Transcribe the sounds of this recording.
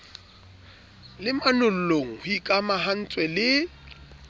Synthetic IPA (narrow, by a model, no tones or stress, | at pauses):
lɪmanʊl̩loŋ̩hʊikʼamaɦan̩t͡sʼwɛlɪ